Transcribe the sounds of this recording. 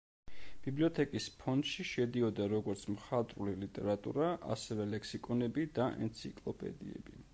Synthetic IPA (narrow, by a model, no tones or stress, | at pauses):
b̥ibliɔt̪ʰɛkʼispʰɔnd̪ʃiʃɛd̪iɔd̪aɾɔɡɔɾt̪sʰmχat̪ʼɾulilit̪ʼɛ̰ɾat̪ʼṵɾaa̰sɛvɛlɛksikʼɔnɛbid̪aʔɛ̰nt̪sʰikʼlˠɔpʼɛ̰d̪ḭɛ̰bi